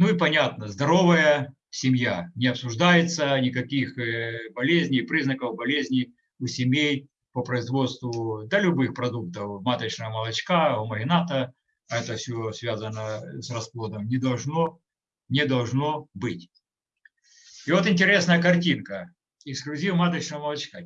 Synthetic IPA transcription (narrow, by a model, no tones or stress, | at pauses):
nuɪpɐnʲat̪nəzd̪ɐɾo̞vəjə | sʲɪmʲjanʲɪɐpsʊʐd̪ajɪt̪sənʲɪkɐkʲixbɐlʲezʲnʲɪjpɾʲiznəkəvbɐlʲezʲnʲɪj | ʊsʲɪmʲej | pəpɾəɪzvo̞t̪st̪vʊd̪əlʲʊbɨxpɾɐd̪uk̚t̪əfmat̪ət͡ɕnəjəməlˠɐt͡ɕkaʊməɦʲɪnat̪ə | ɛt̪əfsʲosvʲazənəsrɐsplˠod̪əmnʲɪd̪ɐlˠʐno | nʲɪd̪ɐlˠʐno̞bɨtʲ | ɪvo̞t̪ɪnʲtʲɪɾʲe̞snəjəkɐrtʲinkə | ɪksklʲʉzʲivmat̪ət͡ɕnəʋəmɐlˠɐt͡ɕka